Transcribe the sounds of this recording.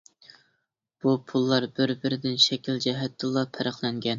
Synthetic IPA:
b̥upʰulˠːɑɾbɪɾbɪɾɪd̪ɪnʃɛkʲʰild͡ʒɛɦɛt̪ʰːɨlˠɑpʰæɾəχlˠɛŋɡʲɛn

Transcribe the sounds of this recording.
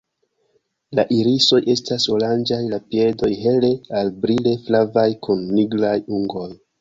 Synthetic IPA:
laʔiɾiso̞jʔe̞staso̞land͡ʒajlapie̞do̞jɦe̞le̞albɾile̞flavajkʰunːiɡlajuŋɡo̞j

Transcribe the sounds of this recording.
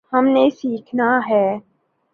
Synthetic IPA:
həmnesiːkʰnaɦɛː

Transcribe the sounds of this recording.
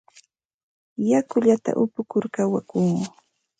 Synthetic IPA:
jakʊʎat̪a̰ʔʊpʊkʊɾkawakʊŋʊ

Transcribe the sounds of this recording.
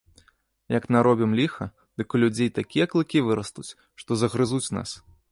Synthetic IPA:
jɐknaɾɔbʲimlʲixɐ | d̪̥ɨkulʲud͡zʲejt̪akʲijɐklˠɨkʲivɨɾɐst̪ut͡sʲ | ʂt̪ɔzɐɣɾɨzut͡sʲna̰s

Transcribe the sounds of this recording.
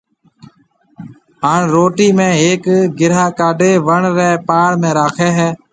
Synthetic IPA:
ɦaːɳɾoːʈiːmẽːɦeːkɡɪɾaːkaːɖʱeːʋəɳɾɛːpaːɽmẽːɾaːkʰeːɦɛː

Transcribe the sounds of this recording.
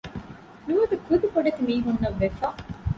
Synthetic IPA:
nuʋɐd̪ɐkud̪ukoɖɐt̪imiːɦunːɐʋːefa

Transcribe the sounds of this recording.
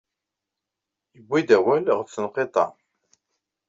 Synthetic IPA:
jəbːid̪æwælʁət͡sːənqet̪ˤɑ̰

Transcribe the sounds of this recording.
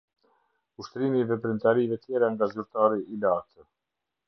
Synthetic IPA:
uʃt̪ɾimivɛpɾint̪aɾivɛt̪jɛɾaŋɡazyɾt̪aɾiːlat̪ə

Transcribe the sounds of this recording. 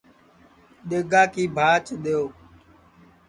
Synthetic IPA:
ɗ̪eːɡaːkiːbʱaːt͡ʃɗ̪eːjoː

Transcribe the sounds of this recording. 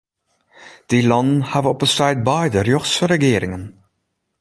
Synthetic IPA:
d̥ilɑndənhavənɔpənstɛjd̚bɛjdərjøχsəɾəɡɪːɾɪŋən

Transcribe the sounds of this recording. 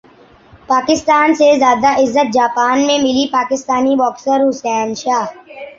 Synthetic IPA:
paːkɪst̪aːnsezjaːd̪aʔɪzːət̪̚d͡ʒaːpaːnmẽmɪlipaːkɪst̪aːnibɔːksəɾːʊsɛːnʃaːɦ

